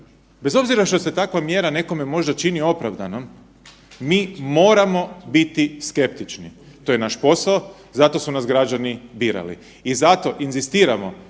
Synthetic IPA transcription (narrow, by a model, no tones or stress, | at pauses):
be̞zo̞bziɾaʃt̪ose̞t̪akʋamje̞ːɾane̞ko̞me̞mo̞ʒd̪at͡ʃinio̞pɾaʋd̪anom | miːmo̞ːɾamo̞bit̪iske̞p̚t̪it͡ʃni | t̪o̞jenaʃpo̞sao | zat̪o̞sunasɡɾad͡ʒanibiːɾa̰lḭ | izat̪o̞ʔinzist̪iːɾamo̞